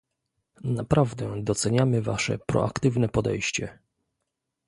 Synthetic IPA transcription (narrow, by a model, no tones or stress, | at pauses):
napɾavd̪ɛd̪ɔt̪sɛɲamɘvaʂɛ̰pɾɔ̰ʔa̰kt̪ɘvnɛpɔd̪ɛ̰jɕt͡ɕɛ